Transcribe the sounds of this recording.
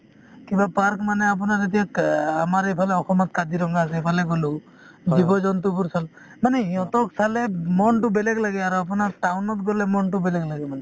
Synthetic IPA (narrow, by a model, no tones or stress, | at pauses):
kimbapaɾkmanɛap̬unaɾet̪̬ijaamaɾejpʰalɛɔxɔmɔt̪̚kad̪iɾɔŋɡaːsɛepʰalɛɡolu | d͡ʒibɔd͡ʒɔnt̪upuɾsal | manɛɔt̪ɔksalɛmɔnʈubeleɡlaɡɛaɾuap̬ɔnaɾʈawnɔt̪̚ɡolɛmɔnʈʊbelɛɡlaɡɛmanɛ